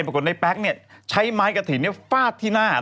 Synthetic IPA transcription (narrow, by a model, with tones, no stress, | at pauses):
jpʰa˧ku˨˩t̚na˧˩jpɛː˦˥k̚ni˥˩ət͡ɕʰa˦˥jmaː˦˥jka˧˩t̪ʰiː˨˩ni˥ɐfaː˥˩t̪ʰːiː˥˩naː˥˩